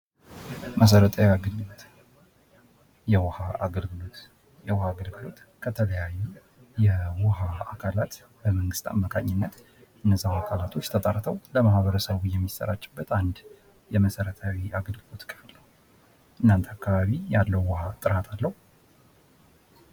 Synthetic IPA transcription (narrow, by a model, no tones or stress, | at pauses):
məs̬əɾət̪ʰʼəwaɡəlɡɨlot̪ | jɛwɔhaaɡəlɡɨlot̪ | jɛwɔhaɡəlɡɨlo̞t̪ | kʰət̪ʰələjajːu | jɛwɔhaakʰalat̪ | bəməŋɡɨst̪ʰʼa̰mːakʰaɲːɪnːət̪ | ʔɨnːəzːahakʰalat̪ʰo̞t͡ʃːt̪ʰət̪ʼəɾt̪ʰəwləmahβəɾəsəβujɛmːisːə̰ɾat͡ʃːɪbːət̪ʰand̪ | jɛməsəɾət̪ʰawiʔaɡəlɡɨlo̞t̪kʰʼəfləw | ʔɨnːant̪ʰakːaβaβijalːəwwɔhat̪ʼɨɾat̪ʰalːəhu